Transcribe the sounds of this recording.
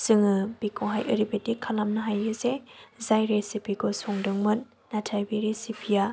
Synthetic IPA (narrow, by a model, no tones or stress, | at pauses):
sɯŋɯbikʰɔɦajʔɯɾibetikʰalamnɐɦajɯzezajɾesipʰiɡɔsɔŋdɯŋmɯnː | atʰajbiɾesipʰija